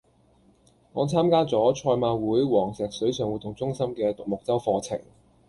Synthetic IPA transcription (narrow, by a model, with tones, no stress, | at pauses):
ŋɔː˨˧t͡sʰaː˥mkaː˥t͡sɔː˨˥t͡ʃʰɔː˧jmaː˧wuː˨˥jwɔː˨˩ŋsɛː˨k̚sɵ˨˥ɥsœː˨ŋwu˨˩t̪ʰːʊ˨˩ŋt͡sʊ˥ŋsɐ˥mkɛː˧t̪ʊ˨k̚mʊ˨k̚t͡sɐ˥wfɔː˧t͡sʰɪ̰˨˩ŋ